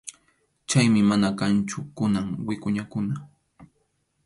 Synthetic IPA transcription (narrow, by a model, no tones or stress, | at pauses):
t͡ʃajmɪmanakant͡ʃʊkʊnaŋwɪkʊɲakʊna